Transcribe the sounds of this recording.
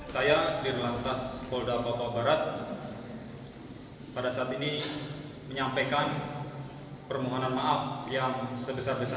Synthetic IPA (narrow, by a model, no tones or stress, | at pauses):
sajadirlant̪askɔldapapabaɾat̪̚ | padasaːt̪ini | məɲampajkan | pərmoɦonanmaʔafjaŋsəbəsarbəsa